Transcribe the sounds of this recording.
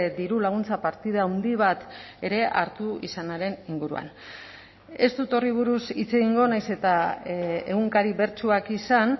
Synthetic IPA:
d̪iɾulaɣ̞unt͡sapaɾt̪iðaːwnd̪iβ̞at̪e̞ɾe̞ʔa̰ɾt̪uḭsanaɾe̞niŋɡuɾṵa̰n | e̞st̪ut̪o̞riβ̞uɾusit͡se̞ɣiŋɡo̞najse̞t̪a | e̞ɣuŋkaɾiβe̞ɾt͡ʃuakisan

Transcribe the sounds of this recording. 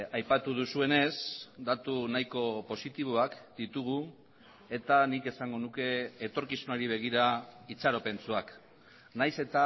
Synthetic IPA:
ajpat̪uð̞usue̞ne̞sd̪at̪unajko̞po̞sit̪iβ̞o̞akd̪it̪uɣ̞u | e̞t̪anike̞saŋɡo̞nuke̞ːt̪o̞ɾkisunaɾiβ̞e̞ɣ̞iɾait͡saɾo̞pe̞nt͡suak | najse̞t̪a

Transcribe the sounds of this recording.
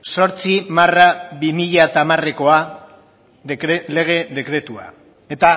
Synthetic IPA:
so̞ɾt͡simaraβimiʎat̪amare̞ko̞a | ðeele̞ɣ̞e̞ðe̞kɾe̞t̪ua̰ | e̞t̪a

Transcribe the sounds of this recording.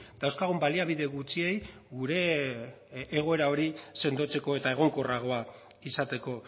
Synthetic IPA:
d̪awskaɣ̞umbaliaβ̞iðe̞ɣut͡sie̞j | ɡuɾe̞ | ɣ̞o̞e̞ɾao̞ɾise̞nd̪o̞t͡se̞ko̞e̞t̪ae̞ɣ̞o̞ŋko̞raɣ̞o̞a | isat̪e̞ko̞

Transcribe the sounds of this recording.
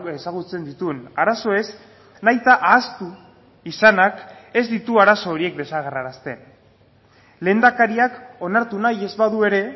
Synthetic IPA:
esaɣ̞ut͡se̞nd̪it̪uenaɾaso̞e̞z | najt̪aʔaːst̪u | isanake̞zd̪it̪uaɾaso̞ːɾie̞k̚d̪e̞saɣ̞eraɾast̪e̞n | le̞ːnd̪akaɾiako̞naɾt̪unaje̞zβaðue̞ɾe̞

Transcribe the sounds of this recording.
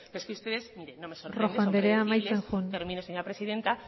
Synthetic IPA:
keskeust̪eðe̞zmiɾenomesoroxand̪eɾeaːmajt͡sexuneɾmĩnoseɲoɾapɾe̞siðe̞nt̪a

